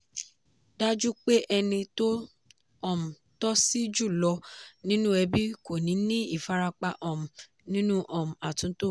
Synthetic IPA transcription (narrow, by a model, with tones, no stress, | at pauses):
da˦d͡ʒu˦k͡pe˦ʔɛ˧nĩ˧to˦ | ɔ˨m̩˨ | tɔ˦si˦d͡ʒu˦˨lɔ˧nĩ˦nũ˦ɛ˧bi˦ko˦˨nĩ˨˦nĩ˦i˦˨fa˨˧ɾa˧k͡pa˧ʔɔ˨m̩˨ | nĩ˦nũ˦ʔɔ˨m̩˨a˨tũ˨˦to˦˨